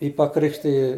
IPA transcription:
ˈjiː pɐˈkrʲɪkʃʲtʲɪjɪ

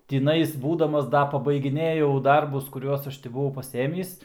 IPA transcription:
tʲɪˈnɐɪs ˈbuːdɐmɐs ˈdɐ pɐbɐɪɡʲɪˈnʲeːjɛʊ ˈdɐrbʊs kʊˈrʲuɔs ˈɐʃ tʲɪ bʊˈʋɐʊ pɐˈsʲeːmʲiːs

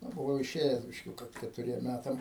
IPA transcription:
ˈnʊ bʊˈʋɐʊ ɪˈʃʲeːjɛs bʲɪʃʲˈkʲuːkɐ kʲɛtʊˈrʲiɛm ˈmʲætɐm

